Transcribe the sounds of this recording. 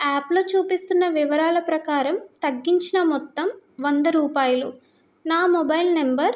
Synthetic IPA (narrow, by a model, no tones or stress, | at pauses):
aːploːt͡ʃuːpist̪unːɐʋiʋɐɾaːlɐpɾɐkaːɾɐmt̪ɐɡːiɲt͡ʃinɐmɔt̪ːɐmʋond̪ɐɾuːpaːjulu | naːmɔbɐjlnembɐɾ